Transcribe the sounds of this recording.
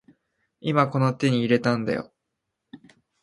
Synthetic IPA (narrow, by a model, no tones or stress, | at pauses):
imako̞no̞t̪e̞ɲ̟iːɾe̞t̪ãnd̪a̰jo̰